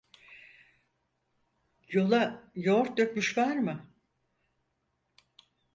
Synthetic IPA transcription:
jo̞lˠajoɾt̪̚d̪økmyʃvaɾmɯ

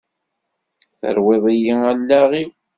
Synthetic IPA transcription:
θə̰ɾwɪðˤijiælːæʁiw

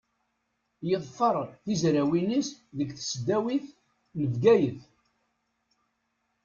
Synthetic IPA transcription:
jəðˤfɑɾˤθizɾæwinisðəɡθə̥sd̪æwiθ | nəvɡæjəθ

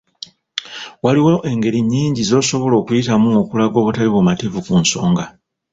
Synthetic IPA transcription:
waliwoʔe̞ŋɡe̞ɾiɲːiːɲɟizo̞ːso̞βo̞lo̞ːkujitamuokulaɡo̞βutaliβomativukunso̞ːŋɡa

